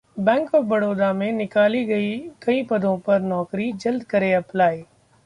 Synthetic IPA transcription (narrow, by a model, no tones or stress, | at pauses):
bɛ̃ːŋkɔfbɐɽoːd̪amẽnɪkaːliɡɐikɐĩpɐd̪ʱõpɐɾnɔːkɾid͡ʒɐld̪kɐɾeɐplaːeː